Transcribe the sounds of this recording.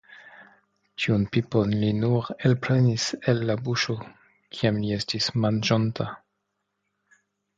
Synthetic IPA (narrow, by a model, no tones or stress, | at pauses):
t͡ʃiunpiponlinuɾelpɾeniselːabuʃo | kʰiamlie̞stismand͡ʒontʰa